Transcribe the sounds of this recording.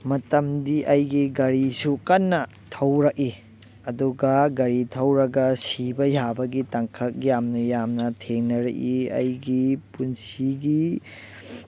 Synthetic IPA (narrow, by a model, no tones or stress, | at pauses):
mɐtɐmdiʔɐjɡiɡɐɾisukɐnːɐ | tʰɐwɾɐk̚i | ɐduɡɐɡɐɾitʰɐwɾɐɡɐsibɐjabɐɡitɐŋkʰɐk̚jamnɐjamnɐtʰeŋnɐɾɐ̰kiɐ̰jɡipunsiɡi